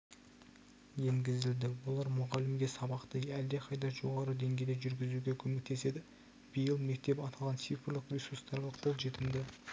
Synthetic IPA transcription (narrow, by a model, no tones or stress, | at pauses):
jeŋɡʲɪzɪld̪ɪwolˠɑɾmʊʁɑlɪmɡʲe̞sɑbɑqt̪əæld̪eqʰɑjd̪ɑʒo̞ʁɑɾəd̪e̞ŋɡʲe̞jd̪eʒʏɾɡʲɪzuɡʲe̞kʲʰɵmek̚t̪e̞se̞d̪ɪ | b̥ijəlˠme̞k̚t̪e̞pɑt̪ɑlˠʁɑnsifrlˠɪqrʲesurst̪ɑɾlˠəq̚bʰolˠʒe̞t̪ɪmd̪ɪ